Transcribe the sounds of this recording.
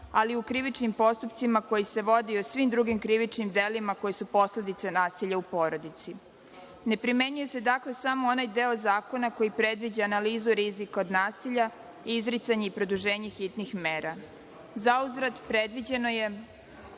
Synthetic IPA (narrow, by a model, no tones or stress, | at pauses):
aliukɾiʋit͡ʃnimpo̞st̪upt̪simako̞jise̞ʋo̞d̪iusʋimd̪ɾuɡimkɾiʋit͡ʃnimd̪e̞limako̞jesupo̞sle̞d̪it̪senaːsiʎaupo̞ːɾo̞d̪it̪si | ne̞pɾime̞ɲuje̞se̞d̪akle̞samoonajd̪eo̞zaːko̞nako̞jipɾe̞d̪ʋid͡ʑaanaliːzuɾizikaod̪naːsiʎa | iizɾit̪saɲe̞ipɾo̞d̪uʒe̞ːɲe̞xit̪nixmeːɾa | zauzɾad̪pɾe̞d̪ʋid͡ʑe̞no̞je